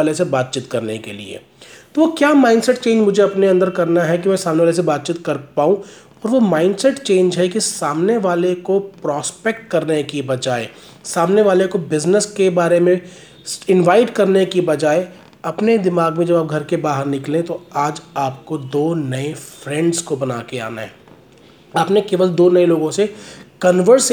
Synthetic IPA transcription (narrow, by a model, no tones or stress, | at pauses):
alesebaːt̪̚t͡ʃiːt̪kɐɾnekḛlḭḛ | t̪oʋokjaːmaːɪnɖsɛʈt͡ʃẽːɲd͡ʒmʊd͡ʒʱeɐpneɐ̃nd̪əɾkɐɾnaɦɛk̬imɛ̃ːsaːmneʋales̬ebaːt̪̚t͡ʃiːt̪kɐɾpaːũ | ɔːɾʋomaːɪ̃nɖsɛʈt͡ʃẽːnd͡ʒɦɛkisaːmneʋaːlekopɾɔːspekʈ̚kɐɾnekibɐd͡ʒaːe | saːmneʋaːlekobɪznəskebaːɾemẽ | ɪ̃nʋaːɪʈkɐɾnekibɐd͡ʒaːe | ɐpned̪ɪmaːɡmẽd͡ʒɐbaːp̚ɡʱɐɾkebaːɦəɾnɪklẽt̪oaːd͡ʒaːpkod̪oːnɐefɾɛ̃ɳɖskobɐna̰ːkea̰ːna̰ɦɛː | aːpnekeːʋəld̪oːnɐeloːɡõsekɐnʋəɾs